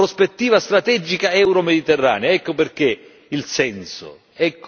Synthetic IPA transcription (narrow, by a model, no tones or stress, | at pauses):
ɾospet̪ːiːvast̪ɾat̪ɛd͡ʒikaɛwɾomed̪it̪erːa̰ːneaɛkːoperk̟e | ilsɛnsʊ̰ | ɛkː